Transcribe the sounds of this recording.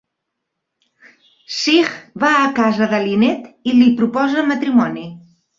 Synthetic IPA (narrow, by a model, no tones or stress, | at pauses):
siɣβaəkazəðəlinet̪ilipɾupɔzəmət̪ɾimɔni